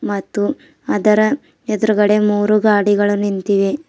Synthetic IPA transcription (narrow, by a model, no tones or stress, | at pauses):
mɐt̪ːu | ɐd̪ɐɾɐ | ɛd̪ɾuɡɐɽe̞muːɾuɡaːɽiɡɐɭunːint̪iʋe